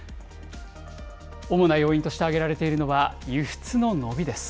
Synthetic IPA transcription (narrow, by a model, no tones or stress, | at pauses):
o̞mo̞najo̞ːĩnt̪oɕi̥t̪e̞aɡe̞ɾaɾe̞t̪e̞iɾɯ̟no̞βajɯɸɯ̟̥t͡sɨno̞no̞bʲid̪e̞sɨ̥